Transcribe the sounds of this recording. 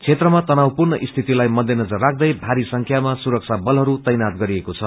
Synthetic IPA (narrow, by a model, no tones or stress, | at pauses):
t͡sʰet̪rʌmat̪ʌnawpurnʌʔist̪ʰit̪ilajmʌd̪ʱenʌd͡zʌrːak̚ʰd̪ʌjbʱaɾisʌŋkʰjamasuɾʌk̚t͡sʰabʌlɦʌɾut̪ʌjnat̪ɡʌɾiekot͡sʰʌ